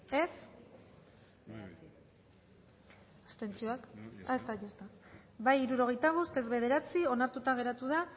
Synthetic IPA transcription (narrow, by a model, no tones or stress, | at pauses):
e̞s | ast̪e̞nt͡sio̞akaest̪ajost̪abajiɾuɾo̞ɣ̞e̞jt̪aɣ̞ust̪e̞zβe̞ð̞e̞ɾat͡sio̞naɾt̪ut̪aŋɣe̞ɾat̪uð̞a